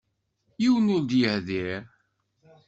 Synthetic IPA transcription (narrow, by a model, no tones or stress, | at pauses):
jiwənʊɾd̪jəhðɪɾ